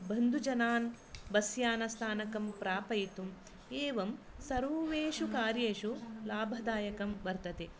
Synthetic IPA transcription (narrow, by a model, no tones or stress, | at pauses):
bʱɐnd̪ʱud͡ʒɐnaːn | bɐsjaːnɐst̪ʰaːnɐkɐmpɾaːpɐjit̪um | eːʋɐmsɐɾuːʋeːʃukaːɾjeːʃulaːbʱɐd̪aːjɐkɐmʋɐɾt̪ɐt̪e